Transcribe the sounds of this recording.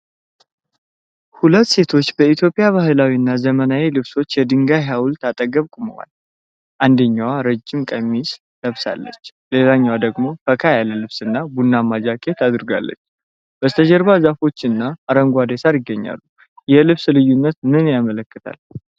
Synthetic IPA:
hulət̪ːse̞t̪ʰo̞t͡ʃːbəit̪ʰjo̞pʼijaβaɦɨlawinːazəmənawilɨβso̞t͡ʃːjɛd̪ɨŋɡaɦawʊlt̪ʰat̪ʼəɡəβkʼumə̰wa̰l | ʔand̪əɲːawaɾəd͡ʒːɪmkʼəmːis | ləβsa̰lːə̰t͡ʃːle̞laɲːawad̪əɡmo̞fəkʰajaləlɨβsɨnːabunːamad͡ʒakʼet̪ʰad̪ɨɾɡa̰lːə̰t͡ʃː | b̥əst̪ʰəd͡ʒəɾbazafo̞t͡ʃːɨnːaːɾəŋɡʷad̪esaɾjɪɡːəɲːa̰lːu | jɛlɨβslɨjːunːət̪mɨnjamələkːɨt̪ʰa̰l

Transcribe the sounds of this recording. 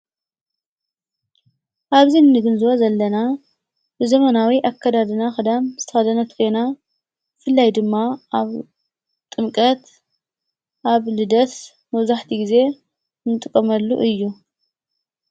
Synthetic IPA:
ʔaβzinːɨɡɨnzɨwozɐlːɐna | bɨzɐmɐnawiʔakʰːɐd̪ad̪ɨnaxɨd̪amz̥ɨt̪ʰɐxɐd̪ɐnɐt̪kʰo̞jna | fɨlːajd̪ɨmːaaβ | t̪ʼɨmkʼɐt̪ | ʔaβlɨd̪ɐs | mɐβzaħt̪ʰiɡize̞ | nɨt̪ʼɨkʼːɐmɐlːṵʔɨjːu

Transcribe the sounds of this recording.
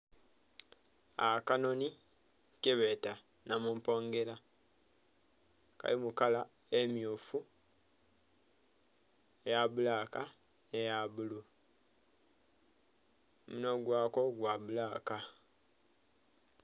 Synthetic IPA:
akano̞ni | keβeta | namuːmpo̞ːŋɡe̞la | ka̰limukala | emjuːfu | ejaβulaka | nejaβulu | munoɡwaːko̞ɡwaβulaka

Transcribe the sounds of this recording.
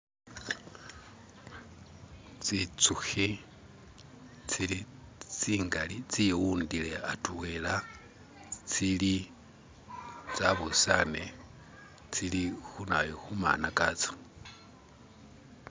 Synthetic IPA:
t͡sit͡suxi | t͡silit͡siːŋɡalit͡siwuːndileatuwela | t͡sili | t͡saβusane | t͡silixunajoxuma̰nakat͡so̥

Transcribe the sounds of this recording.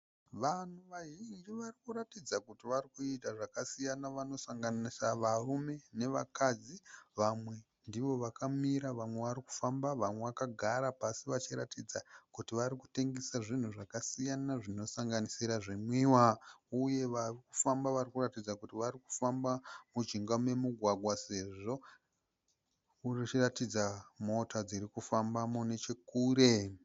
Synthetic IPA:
ʋan̤uʋaɦind͡ʒiʋarikuɾatid͡zakutiʋarikuitaʐakasijanaʋano̞saŋɡanisaʋarume̞ne̞ʋa̰kad͡ziʋamwe̞ | ndiʋo̞ʋakamiɾaʋamwe̞ʋaɾiku̥fambaʋamwe̞ʋakaɡʱaɾapasiʋat͡ʃiɾatid͡zakutiʋaɾiku̥te̞ŋɡesaʐin̤uʐakasijanaʐino̞saŋɡanisiɾaʐemwiːwauje̞ʋariku̥fambaʋarikuratid͡zakutiʋaɾiku̥fambamud͡ʒiŋɡamwe̞muɡʱwaɡwase̞ʐo̞ | urit͡ʃiratid͡zamo̞tad͡ziɾikufambamune̞t͡ʃe̞kuːɾe̞

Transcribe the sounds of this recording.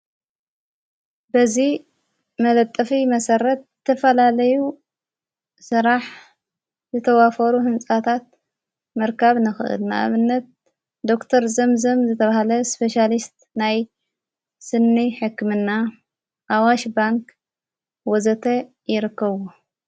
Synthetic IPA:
bɐzi | mɐlɐt̪ʼːɐfimɐsɐɾɐt̪̚zɨt̪ʰɐfɐlalɐju | sɨɾaħ | zɨt̪ʰɐwafɐɾuhɨnsʼat̪ʰat̪̚ | mɐɾkʰaβnɨxɨʔɨ̰lnɨʔa̰βɨnːɐt̪̚ | d̪o̞kt̪ʰɐɾzɐmzɐmzɨt̪ʰɐβahlɐspʰeʃalist̪ | naj | sɨnːiħɨkːɨmɨnːa | ʔawaʃbaŋk | wɔzɐt̪ʰɐ | jɪɾɨkːɐβo

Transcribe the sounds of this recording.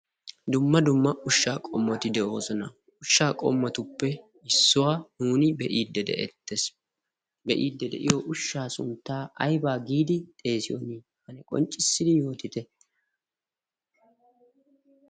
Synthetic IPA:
d̪ʊmːɐd̪ʊmːɐʊʃːaːkʼɔmːɔt̪ɪd̪ɛʔo̞ːsɔnɐ | ʊʃːaːkʼɔ̰mːɔt̪ʊpːɛ | ɪsːʊwaːnuːnɪbɛʔiːd̪ːɛd̪ɛ̰ʔɛ̰t̪ːes | bɛʔiːd̪ːɛd̪ɛ̰ʔɪ̰jɔʔʊʃːaːsʊ̰nt̪ːaːʔɐjbaːɡiːd̪ɪt̪ʼe̞ːsɪjɔ̰ni | hɐnɛkʼɔ̰nt͡ʃʼːɪsːɪd̪ɪjo̞ːt̪ɪt̪ɛ

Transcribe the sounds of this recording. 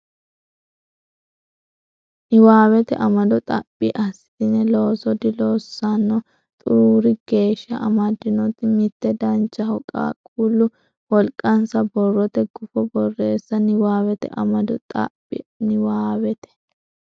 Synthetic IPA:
nɪwaːwɛt̪ɛ̰ʔɐmɐd̪ɔt̪ʼɐ̰pʼːɪʔɐsːɪ̥t̪ɪnɛlo̞ːsɔd̪ɪloːsːɐnːɔ | t̪ʼʊɾuːɾɪɡ̥e̞ːʃːɐ̰ʔɐmɐd̪ɪnɔt̪ːɪmɪt̪ːɛd̪ɐnt͡ʃːɐhɔkʼa̰ːkʼulːʊ | wɔlkʼːɐnsɐbɔrːɔt̪ɛɡʊfɔbɔrːe̞ːsːɐnɪwaːwɛt̪ɛ̰ʔɐmɐd̪ɔt̪ʼɐ̰pʼːɪ̰nɪwaːwɛt̪ɛ̥

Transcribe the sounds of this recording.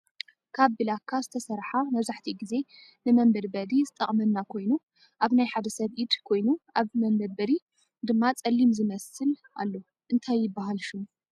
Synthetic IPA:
kʰaβbɨlakʰːazɨt̪ʰɐsɐɾħamɐβzaħt̪ʰiɡize̞nɨmɐmbɐd̪bɐd̪izɨt̪ʼɐχʼmɐnːakʰo̞jnu | ʔaβnajħad̪ɐsɐβʔid̪kʰo̞jnuʔaβmɐmbɐd̪̚bɐɾi | d̪ɨmːat͡sʼɐlːimzɨmɐsɨlʔa̰lːo̞ | ʔɨnt̪ʰajːɪbːaɦalʃum

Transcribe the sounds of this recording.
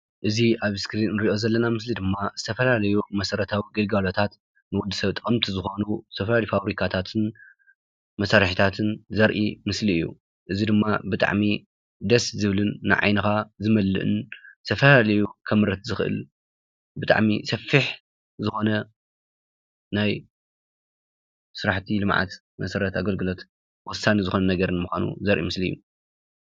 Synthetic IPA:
ʔɨziʔaβskɾinɾiʔo̞zɐlːɐnamɨslid̪ɨmːaz̥ɨt̪ʰɐfɐlalɐjumɐsɐɾɐt̪ʰawiɡɐlɡalot̪ʰat̪ | nɨwud̪ːɨsɐβt̪ʼɐɐmt̪ʰizɨxo̞nuzɨt̪ʰɐfɐlalifaβɾikʰat̪ʰat̪ʰɨn | mɐsaɾħit̪ʰat̪ʰɨnzɐɾʔḭmɨsliɨjːṵ | ʔɨzid̪ɨmːabɨt̪ʼa̰ʕmi | d̪ɐszɨβlɨnːɨ̰ʕa̰jnɨxazɨmɐlːɨ̰ʔɨ̰nt̪ʰɐfɐlalɐjukʰɐmɨɾɐt̪zɨxʔɨ̰l | bɨt̪ʼa̰ʕmisɐfːiħ | zɨxo̞nɐ | naj | sɨɾaħt̪ʰilɨmʕa̰t̪ | mɐsɐɾɐt̪aɡɐlɡɨlo̞t̪ | wɔsːanizɨxo̞nɐnɐɡɐɾɨnmuxʷanṵzɐɾʔḭmɨsliɨjːu

